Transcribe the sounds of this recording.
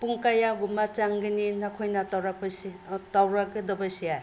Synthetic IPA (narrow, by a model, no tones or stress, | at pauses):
puŋkajaɡumat͡ʃaŋɡɯninakʰojnatawɾapasitawɾakɯdɐbasiaj